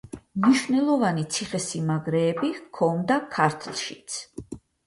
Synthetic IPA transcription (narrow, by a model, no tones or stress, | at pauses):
mniʃvnɛlˠɔvanit̪sʰiχɛsimaɡɾɛːbikʰɔnd̪akʰaɾt̪ʰlˠʃit̪sʰ